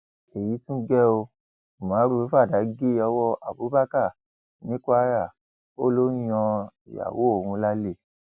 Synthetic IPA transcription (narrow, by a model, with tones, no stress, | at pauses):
e˨ji˨˦tũ˦ɡɛ˦o˧˨ | mã˨˦ɾu˦fa˦˨da˨˦ɡe˦ɔ˧wɔ˦a˨bu˨˦ba˦ka˦˨ | nĩ˨˦ka˦ɾa˦˨ | o˦lo˦ɔ̃˧i˨ja̰˨wo˨˦o˦˨hũ˧la˦le˦˨